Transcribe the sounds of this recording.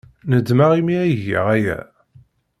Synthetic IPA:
nəd̪maʁimiæjʝə̰ʁæjæ̰

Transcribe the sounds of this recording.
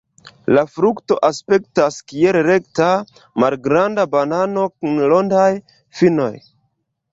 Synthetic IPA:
lafɾukto̞ʔaspe̞k̚taskielɾe̞kta | malɡɾandabanano̞kunlo̞ndaj | fino̞̰j

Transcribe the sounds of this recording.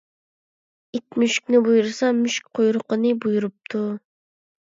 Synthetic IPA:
it̪myʃkʲnɪbujuɾsɑmyʃk̚ʲqʰojɾʊqənɨbujuɾup̚t̪ʰu

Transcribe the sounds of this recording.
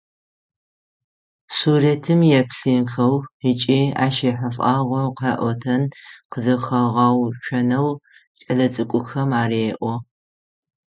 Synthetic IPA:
suːretʰɨmjɛpʰɬinxɐwit͡ʃʼiːa̰ːʃeːħɐɬʼɑːʁʷɔqɐːʔʷɔtʰɐnqəzɐxɐʁɑːwt͡ʃʷʰɐnɐw | t͡ʃʼɐɮɐt͡sʼɨkʷʼʊxɐmaːɾeːʔʷɔ

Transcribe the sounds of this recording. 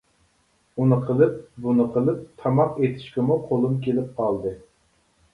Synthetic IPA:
unɨqʰəlˠɨp̚bunɨqʰəlˠɨp̚t̪ʰɑmɑqet̪ʰɪ̥ʃkʲɛmuqʰolˠumkʲelɪp̚qʰɑlˠd̪ɨ

